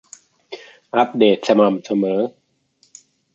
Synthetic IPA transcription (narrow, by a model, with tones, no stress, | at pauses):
ʔa˦˥p̚deː˨˩t̪̚sa˧ma˨˩msa˧mɤː˩˦